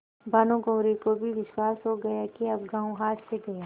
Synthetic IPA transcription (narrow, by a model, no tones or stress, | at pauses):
bʱaːnõɡɐ̃ːɾikobʱiʋɪʃwaːsɦoɡɐjakiɐbɡãːũɦaːt̪seɡɐja